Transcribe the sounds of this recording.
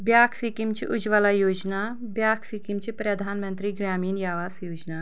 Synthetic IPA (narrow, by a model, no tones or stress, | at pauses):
bʲjaːkʰsikimt͡ʃiʔud͡ʒʋalajoːd͡ʒna | bjaːkʰsikimt͡ʃipɾɐd̪ʱaːnmɐnt̪ɾiɡɾaːmiːnjaːʋaːsjoːd͡ʒna